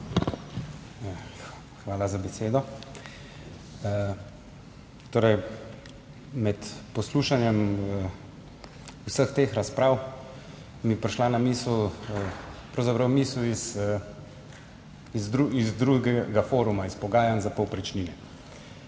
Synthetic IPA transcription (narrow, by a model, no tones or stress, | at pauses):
xʋaːlazabɛseːd̪ɔ | t̪oːɾɛj | mɛt̪pɔsluːʃanjɛm | usəxt̪eːxɾaspɾaːw | mipɾiʃlanamiːsl | pɾɐwzapɾɐwmiːslis | izɾuizd̪ɾuɡɛɡafoːɾumaispɔɡaːjanzapɔwpɾit͡ʃninɛ